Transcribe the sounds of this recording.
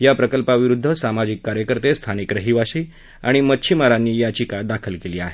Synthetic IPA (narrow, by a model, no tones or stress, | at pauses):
japɾəkəlpaʋiɾud̪ʱːəsamad͡ʑikːaɾjəkəɾt̪est̪ʰanikɾəɦiʋaɕiː | a̰ɽ̃imətːɕʰimaɾanːiːjat͡ɕikad̪akʰəlkeliːaɦe